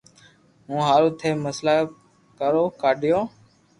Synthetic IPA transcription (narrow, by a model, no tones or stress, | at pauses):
ɦũːɦaːɾõːt̪ʰeːməslaː | kəɾoːkaːɗʱjoː